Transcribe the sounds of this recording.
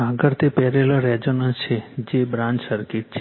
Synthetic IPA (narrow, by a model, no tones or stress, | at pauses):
aɡəɾt̪ʰepɛɾelaɾɛd͡ʒonə̃nst͡ʃʰed͡ʒebɾãɲd͡ʒsəɾkɪʈ̚t͡ʃʰe